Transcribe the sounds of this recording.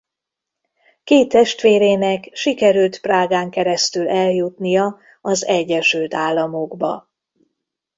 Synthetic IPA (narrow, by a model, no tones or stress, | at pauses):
keːt̪ːɛʃt̪ʋeːɾeːnɛkʃikɛɾylt̪praːɡaːŋkɛɾɛst̪ylɛljut̪nijɒ | ɒzɛɟːɛʃylt̪aːlːɒmoɡbɒ̰